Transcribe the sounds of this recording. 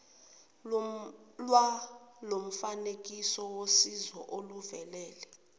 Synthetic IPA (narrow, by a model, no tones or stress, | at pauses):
lwalom̩fanek̬ʼisɔwosizɔʔoluvɛlɛːlɛ